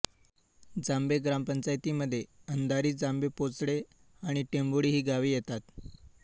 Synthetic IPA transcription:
d͡zambeɡɾampəɲt͡ɕajt̪iːməd̪ʱːjeənd̪aɾiːd͡zambepot͡sɽe | aɽ̃iʈemboɽiːɦiːɡaʋiːjet̪at̪̚

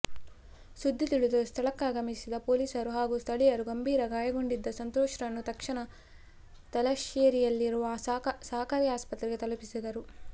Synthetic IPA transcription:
sud̪ʱːit̪iɭud̪ɐust̪ʰɐɭɐkːaːɡɐmisid̪ɐpoːliːsɐɾuɦaːɡust̪ʰɐɭijɐɾuɡɐmbiːɾɐɡaːjɐɡo̞ɳɖid̪ːɐsɐnt̪oːʂɾɐnːut̪ɐkʂɐɳɐ | t̪ɐlɐʃeːɾijɐlːiɾuʋɐsaːkɐɾijaːspɐt̪ɾiɡet̪ɐlɐpisid̪ɐɾu

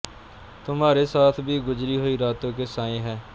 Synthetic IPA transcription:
t̪ʊmaːɾeːsaːt̪ʰbʱiːɡʊd͡ʒɾiːɦoːiːɾaːt̪õːkeːsaːẽːɦɛː

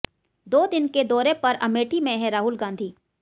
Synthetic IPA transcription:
d̪oːd̪ɪnked̪ɔːɾepɐɾɐmeːʈʰimẽɦɛ̃ɾaːɦʊlɡãːnd̪ʱiː

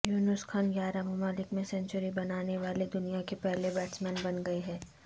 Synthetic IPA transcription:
juːnʊskʰaːnjaːɾamʊmaːlɪkmẽsɛ̃ɲt͡ʃʊɾibɐnaːneʋaːled̪ʊnijakepɛɦlebɛːʈsmɛ̃ːnbɐnɡɐeɦɛː

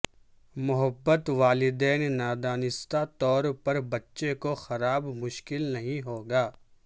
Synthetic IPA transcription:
mʊɦəbːət̪ʋaːlɪd̪ɛːnːaːd̪aːnɪst̪at̪ɔːɾpɐɾbɐtːʃekoxɐɾaːbmʊʃkɪlnɐɦĩɦoːɡaː

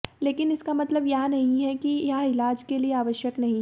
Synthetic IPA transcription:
leːkɪnɪskamɐt̪ləbjɐɦãnɐɦĩɦɛkijaɪlaːd͡ʒkelieaːʋəʃjəknɐɦĩ

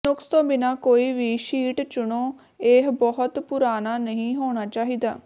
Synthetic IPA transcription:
nʊkst̪õːbɪnaːkoːiːʋiːʃiːʈt͡ʃʊɳoː | eːɦbɔɦʊt̪pʊɾaːnaːnəɦĩːɦoːɽ̃aːt͡ʃaːɦiːd̪a̰ː

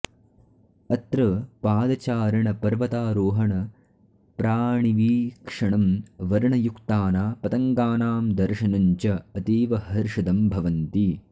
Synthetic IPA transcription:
ɐt̪ɾɐpaːd̪ɐt͡ʃaːɾɐɳɐpɐɾʋɐt̪aːɾoːɦɐɳɐ | pɾaːɳiʋiːkʂɐɳɐmʋɐɾɳɐjukt̪aːnaːpɐt̪ɐŋɡaːnaːmd̪ɐɾʃɐnɐɲt͡ʃɐɐt̪iːʋɐhɐɾʂɐd̪ɐmbʱɐʋɐnt̪i

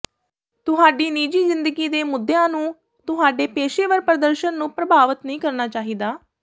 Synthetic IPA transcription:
t̪ʊɦaːɖiːniːd͡ʒiːzɪnd̪əɡiːd̪eːmʊd̪ːejãːnũː | t̪ʊɦaːɖeːpeːʃeːʋəɾpɾəd̪əɾʃənːũːpɾəbaːʋət̪nəĩːkəɾnaːt͡ʃaːɦiːd̪aː

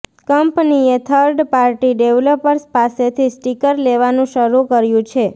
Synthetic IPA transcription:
kəmpniet̪ʰəɾɖpaɾʈiɖeʋləpəɾspaset̪ʰisʈikəɾleʋanũʃəɾukəɾjũt͡ʃʰe

